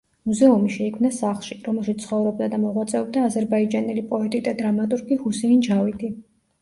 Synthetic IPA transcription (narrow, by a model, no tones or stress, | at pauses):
muzɛumiʃɛikʰmnasaχlˠʃiɾɔmɛlˠʃit̪sʰχɔvɾɔb̚d̪ad̪amɔʁwat̪sʼɛɔb̚d̪aːzɛɾbaid͡ʒanɛlipʼɔɛt̪ʼid̪ad̪ɾamat̪ʼuɾɡihusɛind͡ʒavit̪ʰʼi